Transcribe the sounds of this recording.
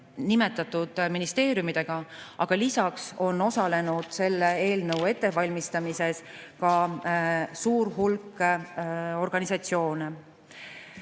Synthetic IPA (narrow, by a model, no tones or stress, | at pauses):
nime̞t̪ːˑɑt̪ːˑud̪̥minist̪e̞ːɾjumid̪̥e̞ɡ̥ɑʔɑ̰ɡ̥ɑlisɑkso̞nːo̞sɑle̞nud̪̥se̞lːee̞ːlnɤwe̞t̪ːe̞vɑlʲmist̪ɑmise̞s | kɑ | suːɾɦulkː | o̞rɡ̥ɑnisɑt̪sio̞ːne